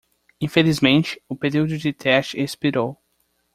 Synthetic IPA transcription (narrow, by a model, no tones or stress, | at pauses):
ĩfelizmẽnt͡ʃɪ̥ʊpeɾiwd̪ʊd͡ʒɪt̪ʰɛst͡ʃɪespiɾow